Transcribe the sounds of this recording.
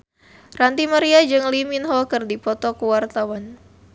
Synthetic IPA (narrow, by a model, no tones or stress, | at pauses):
rant̪imaɾiad͡ʒɨŋliminɦɔkɨrdipɔt̪ɔkuwart̪awan